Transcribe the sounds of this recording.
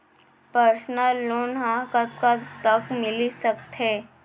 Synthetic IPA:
pəɾsnəlːoːnɦãkət̪kat̪əkmɪlisɐkt̪ɦɛː

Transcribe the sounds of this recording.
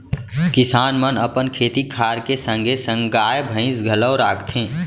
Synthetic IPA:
kɪsaːnmənəpənkʰeːt̪ikʰaːɾkesə̃ŋɡʱesə̃ŋɡaːebʱə̃ɪ̃sɡʱələwɾaːkʰt̪ʰɦẽː

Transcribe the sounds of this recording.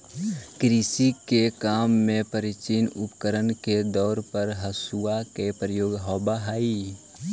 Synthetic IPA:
kɾisikekaːmːẽpəɾit͡ʃinʊpkəɾənked̪ɔːɾpəɾɦəsuakepɾəjoːɡɦɔːbaɦaːi

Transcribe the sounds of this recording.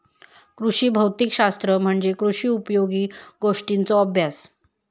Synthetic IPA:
kɾuʂiːbʱəwt̪ikɕast̪ɾəm̤əɳd͡zekɾuʂiːupjoɡiːɡoʂʈint͡sɔəbʱjas

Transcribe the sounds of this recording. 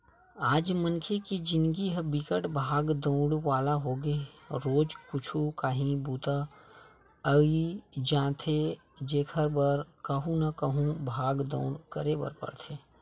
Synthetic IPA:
aːd͡ʒmənkʰekid͡ʒɪnɡiɦəbɪkəʈbʱaːɡd̪õʊɽwaːlaɦoːɡeɾoːd͡ʒkʊt͡ʃʰukaːɦĩbuːt̪a | əid͡ʒãːt̪ʰe | d͡ʒeːkʰəɾbəɾkəɦũnakəɦũbʱaːɡd̪õ̰ːʊɽkəɾebə̰ɾpə̰ɽt̪ʰeː

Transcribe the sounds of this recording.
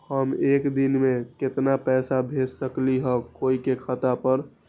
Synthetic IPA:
həmekd̪inmẽket̪napɛːsabʱet͡ʃsəkliɦə̃koikekʰət̪apəɾ

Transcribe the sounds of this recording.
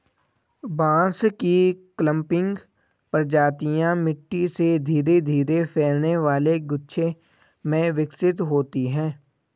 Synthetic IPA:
bãːskiklə̃mpɪ̃ŋɡ | pɾəd͡ʒaːt̪ijãmɪʈːised̪ʱiːɾed̪ʱiːɾepʰeːlneʋaːleɡʊtːʃʰe | mẽʋɪksɪt̪ɦoːt̪iɦɛ̃ː

